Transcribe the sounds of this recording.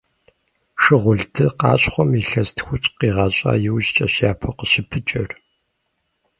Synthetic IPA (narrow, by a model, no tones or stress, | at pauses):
ʂɨʁʷʊɮtʰɨqɑ̰ːɕʼχʷɔmiɬɐstʰxʷʊt͡ʃʼqiːʁɑːɕʼa̰ːjɪwʑt͡ʃʼɐɕjaːpʰɐqəɕɪpʰɨt͡ʃʼɐr